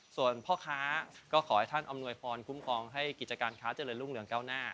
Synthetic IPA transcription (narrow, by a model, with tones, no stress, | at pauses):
su˨˩ənpʰɔː˥˩kʰaː˦˥kɔː˥˩kʰɔː˩˦jt̪ʰa˥˩nʔa˧mnu˧əjpʰɔː˧nkʰu˦˥mkʰɔː˧ŋɦa˥˩jki˨˩t̪̚t͡ɕa˧kaː˧nkʰaː˦˥t͡ɕə˧lɤː˧nlu˥˩ŋlɯ˩˦əŋkaː˥˩wnaː˥˩